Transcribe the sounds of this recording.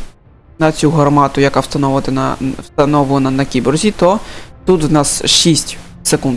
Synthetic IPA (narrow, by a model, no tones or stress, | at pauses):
nɐt͡sʲuɦɐrmɑt̪ʊjɐkawst̪ɐnɔnɐ̰wst̪ɐnɔʋʊlɐnɐnɐkʲibɔrzʲit̪ɔt̪ut̪wnɑsʃisʲtʲ | sekund̪